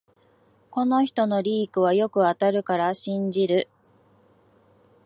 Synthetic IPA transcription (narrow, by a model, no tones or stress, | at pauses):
ko̞no̞çi̥t̪o̞no̞ɾʲiːkɯ̟β̞ajo̞kɯ̟at̪aɾɯ̟kaɾaɕĩɲ̟d͡ʑiɾɯ̟